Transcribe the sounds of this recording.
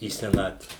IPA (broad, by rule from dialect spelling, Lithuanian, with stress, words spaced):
iː sʲɛˈnɑːtʲʋʲɛ